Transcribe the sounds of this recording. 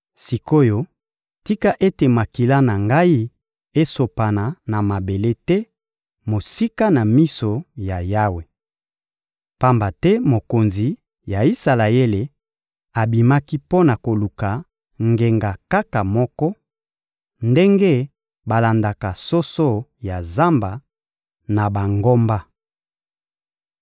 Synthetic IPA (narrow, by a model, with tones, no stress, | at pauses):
si˨ko˦jo˦ | ti˦ka˦ʔe˦te˨ma˨ki˨la˦na˨ŋɡa˦i˦ | e˦so˨pa˨na˨na˨ma˨be˨le˦tɛ˦ | mo˨si˦ka˦na˨mi˦so˨ja˨ja˦we˨ | pa˦mba˨tɛ˦mo˨ko˨nzi˨ | ja˨i˦sa˨la˨e˦le˨ | a˨bi˨ma˦ki˦po˦na˨ko˨lu˨ka˨ | ŋɡe˨ŋɡa˨ka˦ka˨mɔ˦kɔ˦ | nde˦ŋɡe˦ | ba˨la˨nda˨ka˨so˦so˦ja˨za˦mba˨ | na˨ba˨ŋɡo˦mba˦